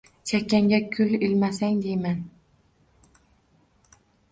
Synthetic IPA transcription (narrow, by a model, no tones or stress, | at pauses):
t͡ʃʰakʲːaŋɡʲakʲʰʊlɪlmasaŋd̪ejman